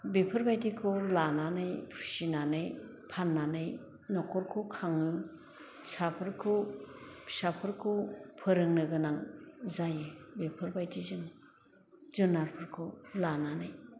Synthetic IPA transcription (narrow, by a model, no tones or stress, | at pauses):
bepʰɯɾbajtikʰɔlananɯjpʰu̥sinanɯj | pʰanːanɯj | nɔkʰɔɾkʰɔkʰaŋɯ | sapʰɯɾkʰo | pʰi̥sapʰɯɾkʰopʰɯɾɯŋnɯɡɯnaŋzajɯbepʰɯɾbajtizɯŋ | zɯnːaɾpʰɯɾkʰɔlananɯj